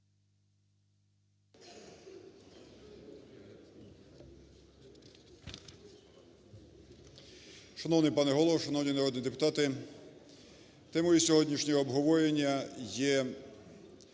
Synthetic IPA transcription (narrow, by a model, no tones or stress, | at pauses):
ʃɐnɔwnɪjpɑnɛɦɔlˠɔʋɔʃɐnɔwnʲinɐɾɔd̪nid̪epʊt̪ɑt̪ɪ | t̪ɛmɔjisʲɔɦɔdʲnʲiʃnʲɔɦɔːbɦɔʋɔjenʲːɐjɛ